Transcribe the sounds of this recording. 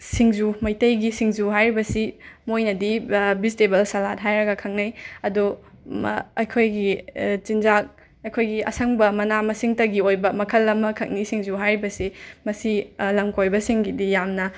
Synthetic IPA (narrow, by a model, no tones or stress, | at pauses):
siŋzumɐjtɐjɡisiŋzuɦajɾibɐsimojnɐdibistebɐlsalat̚ɦajɾɐɡɐkʰɐŋ̚nɐjɐdu | ɐjkʰojɡit͡ʃind͡ʒak̚ | ɐjkʰojɡiʔɐ̰sɐŋbɐmɐnamɐsiŋtɐɡiojbɐmɐkʰɐlːɐmɐkʰɐk̚nisiŋzuɦajɾibɐsimɐsilɐmkʰojbɐsiŋɡidijamnɐ